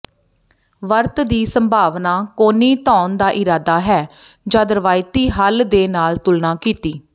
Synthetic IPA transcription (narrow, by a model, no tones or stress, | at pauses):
ʋəɾt̪d̪iːsəmbʱaːʋnãːkoːniːt̪ɔːnd̪aːʔɪɾaːd̪aːɦɛːd͡ʒaːd̪əɾəʋaːɪt̪iːɦəld̪eːnaːlt̪ʊlnaːkiːt̪iː